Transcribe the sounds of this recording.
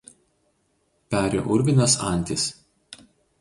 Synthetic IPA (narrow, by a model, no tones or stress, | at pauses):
pʲæːɾʲo̰ːʔʊɾʲʋʲɪnʲɛsɑ̰ˑnʲt̪ʲɪs